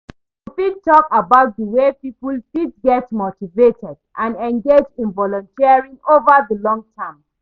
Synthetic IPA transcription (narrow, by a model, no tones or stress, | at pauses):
tufittːɔkabaʊt̚ðəwepipulfitɡɛtmotivetɛdʔãnɛ̃ŋɡed͡ʒĩnvɔlɔ̃ntiaɹĩŋovəðəlɔ̃ŋtʰɛ̃m